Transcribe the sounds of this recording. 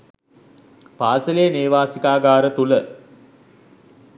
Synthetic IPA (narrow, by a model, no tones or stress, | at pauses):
paːsəleəneːʋaːsikaːɡaːɾət̪ulə